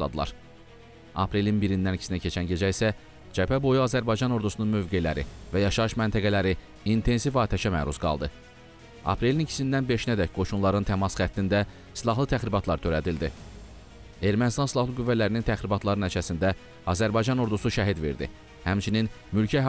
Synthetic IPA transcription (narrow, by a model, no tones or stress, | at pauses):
ʃlˠɑ̰d̪ɯlˠɑ̰ɾ | ɑ̰pʰɾe̞linbiɾind̪ænicʰsinæcʰe̞t͡ʃʰænɟe̞d͡ʒæisæ | d͡ʒæpʰæbo̞juɑzæɾbɑjd͡ʒɑno̞ɾd̪usununmø̞vɡe̞læɾḭvæjɑʃɑɯʃmænt̪ʰæɡælæɾi | int̪ʰe̞nsifɑːt̪ʰæʃæmæːɾuzɡɑ̰lˠd̪ɯ | ɑ̰pʰɾe̞linicʰi̥sind̪ænbe̞ʃinæd̪æcɡ̥o̞ʃunlˠɑɾɯnt̪ʰæmɑsχæt̪ʰːind̪æ | silˠɑɦlˠɯt̪ʰæχɾibɑt̪ʰlˠɑɾt̪ʰøɾæd̪ild̪i | e̞ɾmænst̪ɑnsilˠɑhlˠɯɡyvːælæɾinint̪ʰæxɾibɑt̪ʰlˠɑɾɯnæt͡ʃʰæsind̪æ | ɑzæɾbɑjd͡ʒɑno̞ɾd̪usuʃæɦid̪ve̞̰ɾd̪ḭ | hæmt͡ʃʰininmylcʰæ